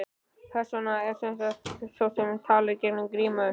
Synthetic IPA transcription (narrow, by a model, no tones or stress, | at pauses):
pʰɛɾ̥sɔnaɛɾsɛns̬at̪sowsɛmt̪ʰaːlɪɾcɛɾnɪmɡɾiːma